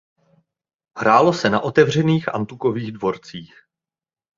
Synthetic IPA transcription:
hɾaːlo̞sɛna̰ʔo̞t̪ɛvr̝ɛniːxʔa̰nt̪ukoviːɣdvo̞ɾt͡siːx

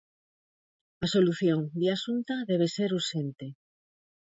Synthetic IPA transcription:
asoluθjoŋd̪easunt̪aðɛβ̞eseɾusent̪e

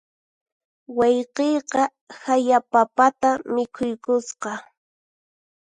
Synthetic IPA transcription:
wɑjqejqɑ | hajapapat̪amɪkʰʊjkʊsqɑ

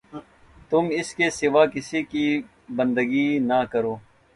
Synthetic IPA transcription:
t̪ʊmɪskeːsɪʋaːkɪsikiː | bənd̪əɡiːnaːkəɾoː

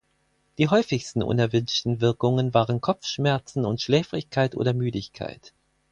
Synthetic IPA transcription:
d̥iːɦɔʏfɪçstn̩ʔʊ̰nɛɐvʏnʃtn̩vɪɐkʊŋənvaːʁənkʰɔpp͡fʃmɛɐt͡sn̩ʊntʃlɛːfʁɪçkʰaɪtʔo̰ːdɐmyːdɪçkʰa̰ɪt

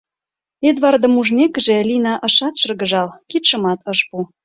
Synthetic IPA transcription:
ed̪βɑrd̪ə̆muʒmʲekə̆ʒĕlinɑʔɤʃɑt̪ʃɤrɣə̆ʒɑlkit̪ʃə̆mɑt̪ʰɤʃpu

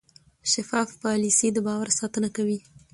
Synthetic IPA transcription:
ʃafɑfpɑlisid̪əbɑwaɾsɑt̪ənakawi

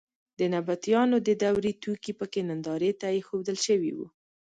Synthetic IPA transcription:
d̪ənabat̪jɑnod̪əd̪awɾit̪ukipəkenand̪ɑɾet̪ajexod̪əlʃəwḭwṵ

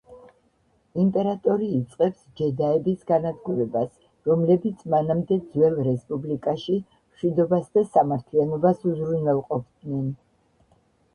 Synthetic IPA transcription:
impʼɛɾat̪ʼɔɾiːt̪sʼqʼɛpsd͡ʒɛd̪aɛbisɡanad̪ɡuɾɛbas | ɾɔmlɛbit̪sʰmanamd̪ɛd̪zwɛlˠɾɛspʼublikʼaʃi | mʃwid̪ɔbasd̪asamaɾt̪ʰlianɔbasuzɾunwɛlˠqʼɔpʰd̪̥nɛn

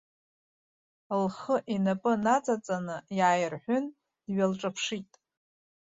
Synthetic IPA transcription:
lχəʔinapʼɨnat͡sʼat͡sʼanɨjaːjrħʷᶣʊn | dɥalʈ͡ʂʼapʰʂitʼ

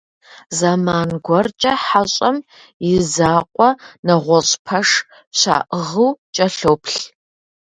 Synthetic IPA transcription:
zamaːnɡʷɔrt͡ʃʼɐħaɕʼɐm | jɪzaːqʷʼɔnɐʁʷɔɕʼpʰɐʂ | ɕa̰ːʔəʁɨwt͡ʃʼɐɬowpʰɬ

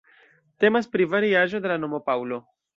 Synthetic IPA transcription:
te̞maspɾivaɾiaʒo̞de̞lano̞mo̞pawlo̞

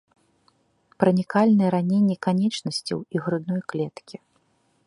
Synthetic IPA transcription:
pɾɐnʲikalʲnɨjɛɾanʲɛnʲːɛkanʲɛt͡ʂnɐsʲt͡sʲɐ̰wiɣɾɨd̪nɔjklʲɛt̪kʲi

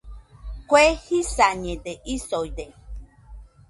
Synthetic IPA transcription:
kwehisaɲẽd̪eʔisojd̪e

